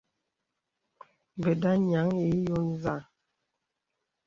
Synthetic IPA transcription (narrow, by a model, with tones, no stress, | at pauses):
bə˨da˦ɲa˨˦ŋi˨˦jo˦n˦za˦˨